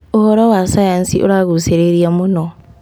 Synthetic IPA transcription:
ohoɾowasajansḭʔo̰ɾaɣuseɾeɾjamuno

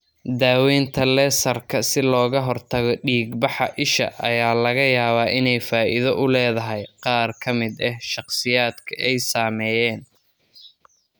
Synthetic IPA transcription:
d̪aːwɛːnt̪ʰɐlɛsɐrkʰɐsɪlɔːɣɐɦɔrt̪ʰɐɣɔɖiːɡbɑħɑʔɪʃɐ̰ʔɐjaːlɐɣɐjaːβaːʔɪnɛjfaːʔɪðɐʔʊlɛːðɐɦɛjqɑːrkʰɐmɪd̪ɛhʃɑqsɪjaːd̪kʰɐʔɛjsaːmɛːjɛːn

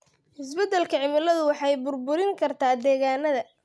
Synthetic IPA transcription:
ʔɪsbɛd̪ːɛlkʰɐʕɪmɪlɐðʊwɑħɑjbʊrbʊɾɪŋkʰɐrt̪ʰaːd̪ɛːɣaːnːɐðɐ

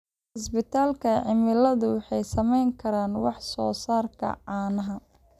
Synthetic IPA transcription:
ʕɪsbɪt̪ʰaːlkʰɐʕɪmɪlɐðʊwɑħɑjsɐmɛjŋkʰɐɾaːnwɑħsɔ̰ːsaːrkʰɐ̰ʕaːnɐɦɐ

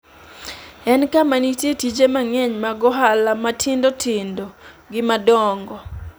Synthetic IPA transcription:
ɛnkamanitjetit͡ʃemaŋɛɲmaɡɔɦalamatʰɪndotʰɪndo | ɡɪmadɔŋɡɔ

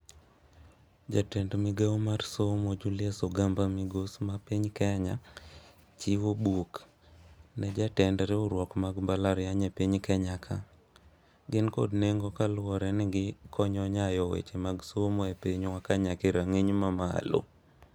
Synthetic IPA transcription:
d͡ʒatɛndmɪɡawmarsomod͡ʒulɪasoɡambamɪɡosmapiɲkɛɲa | t͡ʃiwobuk | nɛd͡ʒatɛndɾɛoɾwɔkmaɡmbalaɾjaɲɛpiɲkɛɲakʰa̰ | ɡɪnkɔ̰dneŋɡɔkalʊwɔɾɛnɪɡɪkʰɔɲɔɲajɔwḛt͡ʃemaɡsomɔɛpeɲwakaɲakeɾaŋeɲmama̰lo̰

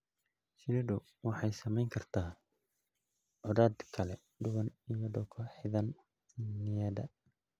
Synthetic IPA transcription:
sɪlɪɖʊ | wɑħɑjsɐmɛjŋkʰɐrt̪ʰaː | ʕʊðaːd̪kʰɐlɛ | ɖʊβɐnijɔɖɔwkʰɐħɪðɐn | nɪjɛd̪ɐ

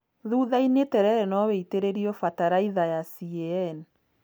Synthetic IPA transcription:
ðuːðainetɛɾɛɾɛnɔβeiteɾeɾiɔfataɾaiðajasiɛɛn

